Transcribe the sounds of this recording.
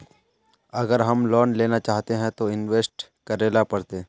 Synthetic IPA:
ɐɡəɾɦɐmlɔːnleːnat͡ʃaːɦt̪eɦɛ̃t̪oɪnʋeːsʈ | kɐɾeːlapɐɽt̪e

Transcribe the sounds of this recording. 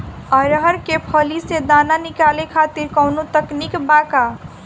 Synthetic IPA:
əɾɦəɾkepʰəlised̪ananikalekʰat̪iɾkəwnot̪əknikbaka

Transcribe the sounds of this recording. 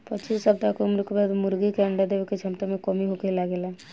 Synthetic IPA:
pət͡ʃʰisəb̚t̪akomɾukbad̪mʊɾɡikeəɳɖad̪eʋeket͡ʃʰəmt̪amẽkomiɦukelaɡelɛ

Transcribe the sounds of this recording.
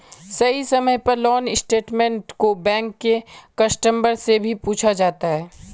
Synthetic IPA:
sɐɦisɐməjpɐɾlɔːnɪsʈeːʈmẽɳʈkobɛ̃ːŋkːekɐsʈə̃mbəɾsebʱipuːt͡ʃʰad͡ʒaːt̪aɦɛː

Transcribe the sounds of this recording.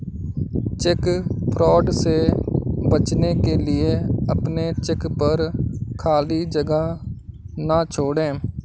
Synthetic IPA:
t͡ʃɪkpʰɾɔːɖseːbət͡ʃneːkeːlɪeːəpneːt͡ʃɪkpəɾkʰaːliːd͡ʒəɡa | nãːt͡ʃʰoːɽẽː

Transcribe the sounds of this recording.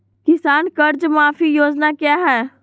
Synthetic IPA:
kɪsaːnkəɾd͡ʒmaːfʰijoːd͡ʒnakjaːɦɛː

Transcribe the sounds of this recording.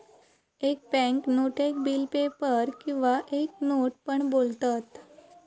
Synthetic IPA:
ek̚bɛ̃ŋknoʈʰek̚bilpepəɾkĩw̃ʋaʔek̚noʈ̚pəɳbolt̪at̪

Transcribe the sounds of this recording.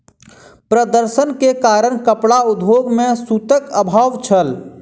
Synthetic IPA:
pɾəd̪əɾsənkekaɾəɽkəpɽaʊd̪ʱoɡmẽsut̪əkəbʱaʋt͡ʃʰəl

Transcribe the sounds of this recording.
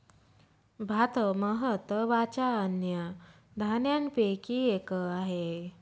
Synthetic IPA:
bʱat̪əməɦət̪əʋat͡ɕaːnjə | d̪ʱanjanpekiekəaɦe

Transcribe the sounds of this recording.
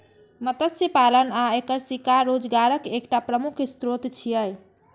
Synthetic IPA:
mət̪əsipalənaekəɾsikaɾod͡ʒɡaɾəkekʈapɾəmukʰst̪ɾot̪t͡ʃʰijəj

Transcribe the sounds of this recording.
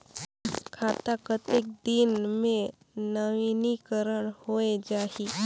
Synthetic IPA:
kʰaːt̪akət̪ɪk̚d̪ɪnmẽ | nəʋinikəɾəɽ̃hoːed͡ʒaːɦi

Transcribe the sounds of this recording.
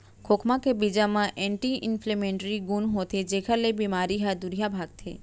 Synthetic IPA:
kʰokʰmãkebid͡ʒamãʔɛ̃ɳʈiɪ̰nflemẽɳʈɾiɡunɦot̪ʰed͡ʒekʰalebimaɾiɦad̪ʊɾijabʱaːɡ̚t̪ʰḛː

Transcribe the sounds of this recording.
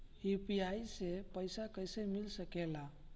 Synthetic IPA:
hipiajsepəjsakəjsemilsəkela

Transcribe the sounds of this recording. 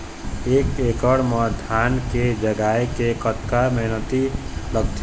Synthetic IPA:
eːkeːkəɽməd̪ʱaːnked͡ʒəɡaːekekət̪kamɛɦnət̪iləɡt̪ʰ

